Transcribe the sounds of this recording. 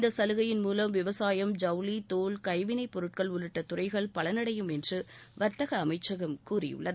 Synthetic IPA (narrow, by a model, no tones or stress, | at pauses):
ɪnd̪ɐsɐlɯɣɐjɪnmuːlɐmʋɪʋɐsaːjɐmd͡ʒɐʊlit̪oːlkɐɪʋɪnɐɪpːɔɾɯʈ̚kɐɭʊɻɯʈːɐt̪ʊrɐɪɣɐɭpɐɭɐnɐɽɐjɯmɛndrɯʋɐɾt̪ɐɣɐːmɐɪt͡ʃːɐɣɐmkuːrɪ̰jɯ̰ɭːɐðɯ